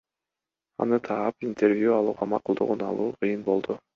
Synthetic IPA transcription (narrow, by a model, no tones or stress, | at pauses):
ɑ̰nɯt̪ʰɑːpint̪e̞rvʲjuɑlˠuːʁɑmɑqulˠd̪uʁunɑ̰lˠuːqʰɨjɯnbo̞lˠd̪ʊ